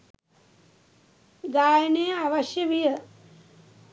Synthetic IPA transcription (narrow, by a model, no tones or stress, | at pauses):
ɡaːjneaʋɐʃjɐʋijɐ